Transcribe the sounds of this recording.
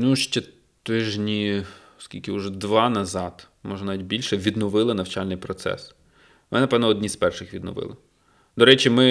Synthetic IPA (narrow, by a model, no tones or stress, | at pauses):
nuʃt͡ʃɛ | t̪ɪʒnʲiɔskʲilʲkɪʊʒɛd̪ʋɑnɐzɑt̪ | mɔʒɐnaʋʲit̪̚ʲbʲilʲʃɛʋʲid̪nɔʋɪlˠɪnɐwt͡ʃɑlʲnɪjpɾɔt̪sɛ̰s | mnɛnɐpɛʋnɔɔd̪ʲnʲispɛrʃɪxʋʲid̪nɔ̰ʋɪ̰lˠɐ | d̪ɔɾɛt͡ʃimɪ